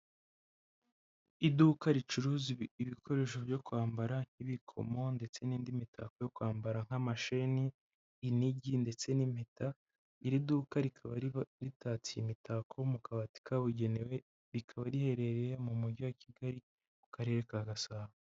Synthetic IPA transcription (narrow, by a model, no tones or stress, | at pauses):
idukaɾit͡ʃuɾuziiβikʰo̞ɾe̞ʃ̬o̞bjo̞kwaːmbaɾaŋ̥hiβikʰo̞̰mo̞nde̞t͡se̞niːndimitʰa̰ko̞jo̞kwaːmbaɾaŋ̥hamaʃeniː | niɟinde̞t͡se̞nim̥eta | iɾiduːkaɾikʰaβaɾitat͡sijimitakʰomukʰaβati̥kʰaβuɟe̞newe | ɾikʰaβaɾihe̞ɾe̞ɾeɾemumuɟiwaciɡaɾi | ku̥kaɾe̞ːɾekaɡasaːβa